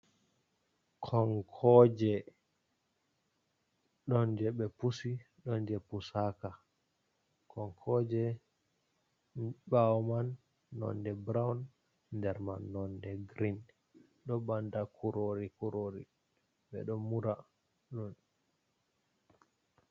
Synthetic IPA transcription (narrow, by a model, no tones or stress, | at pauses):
kʰɔŋkʰɔd͡ʒɛ | ɗɔnd͡ʒɛɓɛpusi | ɗɔnd͡ʒɛpusaka | kʰɔŋkʰɔd͡ʒɛ | bawɔmanː | ɔ̰ndɛbɾawn | ndɛɾmanːɔndɛɡɾin | ɗɔbandakʰuɾoɾikuɾoɾḭ | ɓɛ̰ɗɔmuɾa | ɗɔn